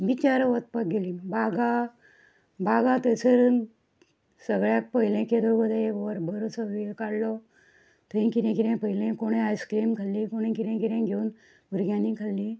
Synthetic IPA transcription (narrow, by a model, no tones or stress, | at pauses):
ʋit͡ɕaɾəʋət̪̚pak̚ɡeliːnbaɡa | bʱaɡat̪əseɾ | səɡɭjak̚pəɦlẽked̪obəd̪aekʋəɾbəɾot͡səʋikaɽlɔ | t̪ʰəĩkiɾẽkiɾẽpəɦilẽkoɽ̃ẽajskɾimkʰalːĩkoɽ̃ẽkiɾẽkiɾɛ̃ɡʱeuːn | uɾɡjãnikʰalːi